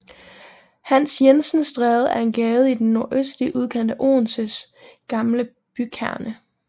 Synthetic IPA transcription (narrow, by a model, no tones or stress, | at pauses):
hæn̰sjensn̩sd̥ʁɛːð̞̩ˠæɐe̝nɡ̥ɛːð̩ˠid̥enːo̝ɐʔøsd̥liʔuðˠkʰen̰d̥əʔo̝̰ːnsəs | ɡ̥ɑ̈mlə | b̥ykʰæɐ̰nə